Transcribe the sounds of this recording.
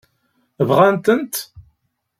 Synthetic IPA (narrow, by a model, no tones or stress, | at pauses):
vʁænt̪ənt̪